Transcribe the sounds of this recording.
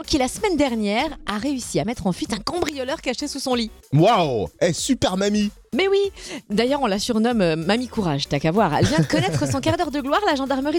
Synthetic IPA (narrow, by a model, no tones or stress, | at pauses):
kʲilasəmɛnd̪ɛʁnjɛʁaʁeysiamɛt̪χɑ̃fɥit̪ɛ̃kɑ̃bʁijɔlœʁkaʃesusɔ̃liwawɛsypɛʁmami | mɛwid̪ajœʁɔ̃lasyʁnɔmøːamikuʁaʒt̪yakavwaʁɛ̰lvjɛ̃d̪əkɔnɛt̪χəsɔ̃kaʁd̪œʁd̪əɡlwaʁlaʒɑ̃d̪aʁməʁi